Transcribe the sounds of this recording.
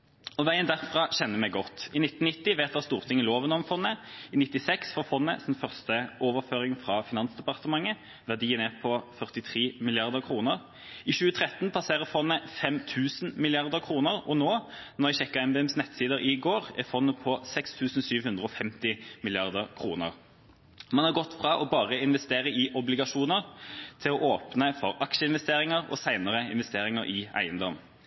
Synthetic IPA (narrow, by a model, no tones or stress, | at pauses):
ɔʋæɪənd̪æʁfʁɑɕɛnːəmɛɪɡɔt̪ːɪnɪt̪nɪt̪ːɪʋeːt̪̚d̪ɑst̪uːʁt̪ʰɪŋəloːʋənɔmfɔnːəɪnɪt̪ːɪsɛksfɔːfɔnːə̰sɛnfœʁst̪əoːʋəʁføːʁɪŋfʁɑfɪnɑnsd̪ɛpɑʁt̪əmɑŋːə | ʋæʁd̪iːənɛpʰɔfœʁt̪ɪt̪ʰʁiːmɪlɪɑʁd̪əʁkʰʁuːnəʁ | ɪʃʉːət̪ʰʁɛt̪ːnpʰɑseːʁəfɔnːəfɛmt̪ʰʉːsnmɪlɪɑʁd̪əʁkʰʁuːnəʁɔnoːnɔʁɪɕɛkːəæɪmbeːɛmsnɛt̪siːd̪əɾɪɡoːʁɛfɔnːəpʰɔsɛkst̪ʰʉːsn̩syːʋhʉnd̪ʁəɔfɛmt̪ɪmɪlɪɑʁd̪əʁkʰʁuːnə̰ʁ | mɑnhɑʁɡɔt̪ːfʁɑʔɔbɑːʁəɪnʋɛst̪eːʁəɪʔɔblɪɡɑʂuːnəʁt̪ʰɪlɔʔoːpnəfɔʁɑkʃəɪnʋɛst̪eːʁɪŋəʁɔ̰sæɪnəʁəɪ̰nʋɛst̪eːʁɪŋəɾʔɪæ̰ɪənd̪ɔm